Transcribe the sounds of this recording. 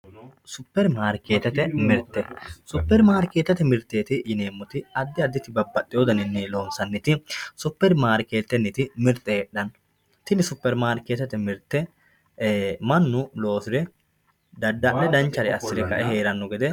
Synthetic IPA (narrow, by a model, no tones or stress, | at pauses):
sʊpːɛɾmaːɾkeːt̪ɛt̪ɛmɪɾt̪ːɛsʊpːɛɾmaːɾkeːt̪ːɐt̪ɛmɪɾt̪ːeːt̪ɪʔɪneːmːɔt̪ɪɐd̪ːɪɐd̪ːɪt̪ɪbɐbːɐt̪ʼːɪjod̪ɐnɪnːɛlo̞ːnsɐnːɪt̪ɪsʊpːɛɾmaːɾkeːt̪ːɛnːɪt̪ɪmɪɾt̪ʼːɛɛɗːɐn | t̪ɪnɪsʊpːɛɾmaːɾkːeːt̪ɛt̪ɛmɪɾt̪ːɛ | mɐnːʊlo̞ːsɪd̪ɛ | d̪ɐd̪ːɐʔːɛd̪ɐnt͡ʃːɐɾɪɐsːɪd̪ɛkɐʔɛɦe̞ːɾɐnːɔɡɛd̪ɛ